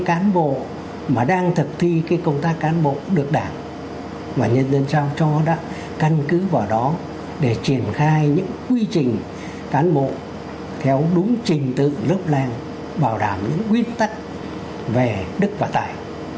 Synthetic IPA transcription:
ŋkaː˨˦nɓo̰˧˨ | maː˨˩ɗaː˧ŋt̪ʰɨ˨˩k̚t̪ʰi˧kaː˨˦jkə˧wŋ͡mt̪aː˦˥k̚kːaː˨˦nɓo̰˧˨ɗɨ˨˩ək̚ɗaː˧˩ŋ | vaː˨˩ɲə˧nzə˧nsaː˧wt͡ɕɔ˧ɗa̰ː˧˥ | ka˧nkɨ˨˦vaː˨˩wɗɔ˨˦ | ɗe˧˩t͡ɕi˧˩ənxaː˧jɲɨ̰˧˥ŋkwi˧t͡ɕï˨˩ŋ̟ | kaː˨˦nɓo̰˧˨ | t̪ʰɛ˨˦wɗʊ˨˦ŋ͡mt͡ɕï˨˩ŋ̟t̪ɨ̰˧˨lɨ˦˥əp̚laː˧ŋ | ɓaː˨˧˩wɗaː˧˩mɲɨ̰˧˥ŋkwi˦˥ən̚t̪a˦˥jk̟̚ | ve˨˩ɗɨ˦˥k̚vaː˨˩t̪a̰ː˧˨j

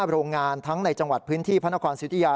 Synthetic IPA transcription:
ɾoː˧ŋːaː˧nt̪ʰa˦˥ŋna˧jt͡ɕa˧ŋwa˨˩t̪̚pʰɯː˦˥nt̪ʰiː˥˩pʰa˦˥na˥kʰɔː˧nst̪ʰːjaː˧

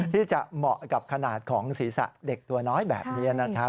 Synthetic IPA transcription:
t̪ʰiː˥˩t͡ɕa˨˩mɔ˨˩ʔka˨˩p̚kʰa˧naː˨˩t̪̚kʰɔː˩˦ŋsiː˩˦sa̰˨˩ʔde˨˩k̚t̪u˨˧ɐnɔː˦˥jbɛ̰ː˨˩p̚ni˦˥ɐna˦˥kʰa˦˥

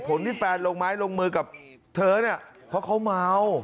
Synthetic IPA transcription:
pʰo˩˦nt̪ʰiː˥˩fɛː˧nloː˧ŋmaː˦˥jlo˧ŋmɯː˧ka˨˩p̚ | t̪ʰɤː˧ni˥˩ɐ | pʰɔ˦˥kʰa˦˥wmaː˧˥w

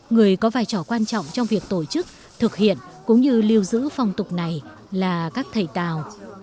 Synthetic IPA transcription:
ŋɨ˨˩əjkɔ˨˦vaː˧˩jt͡ɕɔ˧˩kwaː˧nt͡ɕɔ̰˧˨wŋ͡mt͡ɕɔ˧wŋ͡mvi˨˩ək̚t̪o˧˩t͡ɕɨ˦˥k̚ | t̪ʰɨ˨˩k̚hḭ˧˨ənkʊ̰˧˥ŋ͡mɲɨ˧li˧əwzɨ̰˧˥fɔ˨˩wŋ͡mt̪ʊ˨˩k͡p̚na˨˩j | laː˨˩kaː˦˥k̚t̪ʰə˨˩jt̪aː˨˩w

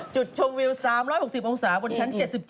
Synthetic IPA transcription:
t͡ɕu˨˩t̪̚t͡ɕʰo˧ŋwi˧wsaː˩˦mɾɔ˦˥jho˨˩k̚si˨˩p̚ʔo˧ŋsaː˩˦bo˧nt͡ɕʰa˦˥nt͡ɕe˨˩t̪̚si˨˩p̚t͡ɕ

